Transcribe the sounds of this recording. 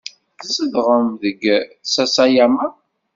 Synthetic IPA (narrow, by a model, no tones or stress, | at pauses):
θsəðʁəmðəɡsæsæjama